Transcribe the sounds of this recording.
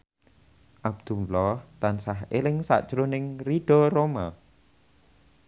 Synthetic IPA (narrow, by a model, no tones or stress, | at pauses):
ʔab̚d̪̥ulɔht̪ansaɦelɪŋsa̰ʔd̥ʒ̥ɾonɪŋriɖ̥ɔɾoma